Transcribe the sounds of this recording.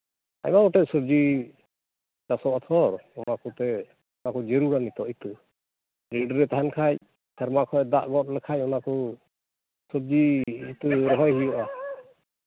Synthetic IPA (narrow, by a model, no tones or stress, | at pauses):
a̰jmaɡɔʈɛsəb̚d͡ʒi | t͡ʃasɔɔt̪ʰɔɾɔnakɔt̪ɛ | ɔnakɔd͡ʒeɾuɾanit̪ɔʔit̪ɔ | ɾiɖɾɛt̪aɦankʰac | sʰɛɾmakʰɔd̪aʔɡɔt̚lɛkʰacɔnakɔ | səb̚d͡ʒiit̪uɾɔɦɔjɦijɔʔa